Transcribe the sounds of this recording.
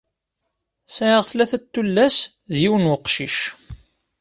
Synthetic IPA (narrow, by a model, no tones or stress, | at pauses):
sæʕəʁθlæθæt̪ːulːæs | ðiwənwəqʃiʃ